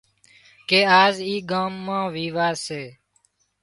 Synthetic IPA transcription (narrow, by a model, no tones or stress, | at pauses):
keːaːziːɡãːmːãːʋiːʋaːseː